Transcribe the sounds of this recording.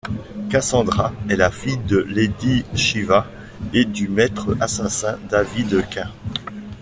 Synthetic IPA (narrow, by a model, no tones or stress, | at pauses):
kasɑ̃d̪ʁaɛlafijd̪əled̪iʃiva | ed̪ymɛt̪χəasasɛ̃d̪avid̪əkʲɛ̃